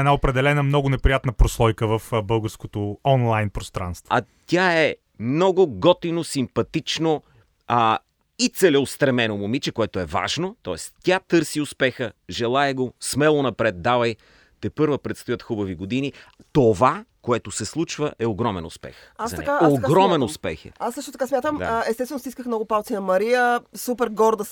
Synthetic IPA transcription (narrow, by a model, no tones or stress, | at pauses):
ɛnaopɾɛd̪ɛlɛnəmnɔɡʊnɛpɾijat̪nəpɾoslˠɔjkəvɐfbɤlˠɡəɾskot̪oɔnlˠajnpɾost̪ɾa̰nst̪voɐ | t̪ʲaɛ | mnɔɡʊɡɔt̪inosimpɐt̪it͡ʃno | it̪sɛlɛost̪ɾɐmɛnomomit͡ʃɛkoɛt̪oɛva̰ʒnot̪ɔɛst̪ʲat̪ɤɾsiʊspɛxəʒɛlˠaɛɡosmɛlˠonɐpɾɛt̪̚d̪avəj | t̪ɛpɤɾvəpɾɛt̪st̪ojət̪xubɐviɡod̪init̪ovakoɛt̪osɛslˠut͡ʃvəʔɛoɡɾɔmɛ̰nʊ̰spɛ̰xasɐnɛ̰kaoɡɾɔmɛnʊspɛ̰xə̰asːɤʃt̪ot̪ɐkasmʲjat̪əmd̪aɛst̪ɛsvɛnost̪iskəxmnɔɡʊpalˠt̪inɐmɐɾijəsupɛɾɡɔɾd̪əs